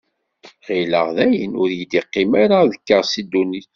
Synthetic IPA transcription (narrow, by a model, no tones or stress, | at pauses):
ʁilə̰ʁðæjənʊɾjid̪iqːimaɾaðəkːəʁsid̪uniθ